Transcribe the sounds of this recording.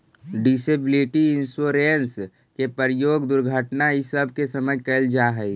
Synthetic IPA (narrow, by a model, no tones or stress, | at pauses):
ɖisebɪliʈiɪnsoːɾens | kepəɾjoːɡd̪ʊɾɡʱəʈnaɪsəb̚ʱkesəməjkəld͡ʒaɦɛi